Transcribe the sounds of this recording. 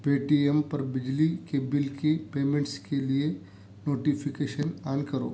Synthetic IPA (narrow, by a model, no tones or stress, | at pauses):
peːʈiempɐɾbɪd͡ʒlikebɪlkepeːmẽɳʈskelie | noːʈipʰɪkeːʃənaːnkɐɾo̰ː